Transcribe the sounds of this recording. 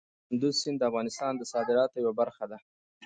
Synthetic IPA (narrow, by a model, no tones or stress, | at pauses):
ʊnd̪uzsɪnd̪əafɣɑnɪst̪ɑnd̪əsɑd̪ɪɾɑt̪ojawabaɾxad̪a